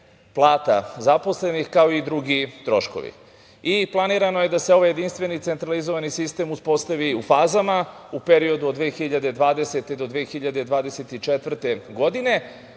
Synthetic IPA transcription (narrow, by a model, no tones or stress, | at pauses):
plˠaːt̪a̰zapo̞sle̞nixkao̞id̪ɾuɡit̪ɾo̞ʃko̰ʋḭ | iplˠaniːɾano̞je̞d̪ase̞o̞ʋaje̞d̪inst̪ʋe̞nit̪sent̪ɾalizo̞ʋanisist̪e̞ːmuspo̞st̪aʋiufaːzamaupeɾio̞d̪uod̪ʋeːxiʎad̪e̞d̪ʋaːd̪e̞set̪e̞d̪o̞d̪ʋeːxiʎad̪e̞d̪ʋaːd̪eset̪it͡ʃet̪ʋr̩t̪e̞ɡo̞d̪ine̞